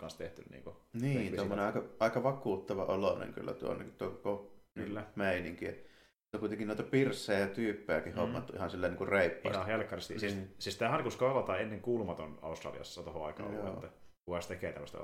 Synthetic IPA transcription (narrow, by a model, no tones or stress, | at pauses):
kɑnst̪eht̪ynnḭːŋkoniːnt̪omːoneʔɑˑkɑʔɑˑikɑʋɑkuːt̪ːɑʋɑʔolonḛŋky̰lːæ̰t̪uo̰nːḛkt̪uokkoklːæmeˑiniŋkie | ut̪ːækuit̪eŋkinoˑit̪ɑpirsːˑejɑjɑt̪yːpːejækihomːɑ̰t̪ːuʔihɑnsilːæniːŋkurreˑipːɑ̰ːhelkːɑrest̪isissist̪æhɑnkuskɑlɑt̪ɑːenːeŋkuːlumɑt̪onɑ̰ust̪rɑ̰liɑ̰sːɑt̪ohoɑikɑ̰jo̰ːæ | kukɑst̪ekeːt̪æmːøst̪ɑ̰